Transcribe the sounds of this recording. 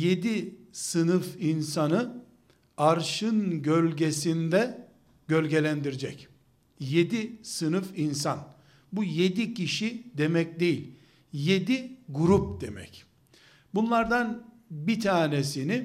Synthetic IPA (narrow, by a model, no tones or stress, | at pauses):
je̞d̪isɯnɯfinsanɯ | aɾʃɯnɟølʲɟe̞sind̪ɛ | ɟ̥ølʲɟe̞lʲænd̪iɾid͡ʒɛc | je̞d̪isɯnɯfinsan | buje̞d̪icʰiʃid̪emɛc̚d̪e̞jilʲ | je̞d̪iɡuɾup̚d̪̥e̞mɛ̰c | bunlˠaɾd̪an | bit̪ʰaːnesini